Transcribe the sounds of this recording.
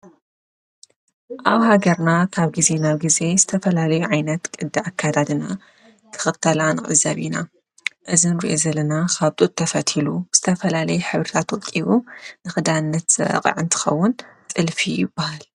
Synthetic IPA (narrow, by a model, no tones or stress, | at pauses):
ʔaβhaɡɐɾnakʰaβɡize̞naβɡize̞zɨt̪ʰɐfɐlalɐjuʕajnɐt̪kʼɨd̪ːɨʕakʰːad̪ad̪ɨna | kʰɨ̥xɨt̪ʰːɐlanɨχʼɨ̰zːa̰βina | ʔɨzɨnɾḭʔozɐlɐnakʰaβt̪ʼut̪ʼʰːɐfɐt̪ʰiluz̥ɨt̪ʰɐfɐlalɐjuħɨβɾɨt̪ʰat̪wkʼːiβunɨxɨd̪aɨnːɐt̪zɨɐ̰qʼɨ̰ʕɨnt̪ʰɨ̥xɐwːʊnt͡sʼɨlfijɪbːahal